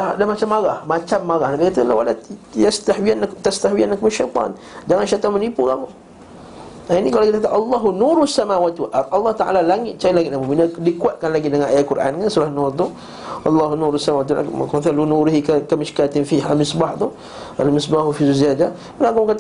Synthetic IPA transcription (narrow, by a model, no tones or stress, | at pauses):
dadahmat͡ʃamːaɾahmat͡ʃamːaɾahnabikat̪alawalajast̪ahwianːakt̪ast̪ahwianːakumaʃajt̪ˤɑ̰n | d͡ʒaŋanʃajt̪ˤɑnmənipukamu | ainikalokit̪akat̪aʔɑlˤːɑɦunuɾuasːamawat̪uʔʔɑlˤːɑht̪aʔa̰lalaŋɪt̪̚t͡ʃaiʔlaɡiʔnamuminadikuat̪̚kanlaɡidəŋanajaʔ̪kuɾʔa̰nkansulahnurt̪̬ʊ | ʔɑlˤːɑɦunuɾasamawat̪la̰kunθalunuɾiɦikkamɪʃkat̪ɪnfiɦamɪsbaht̪u | ʔalmɪsbahufizuziada | mənakumkat̪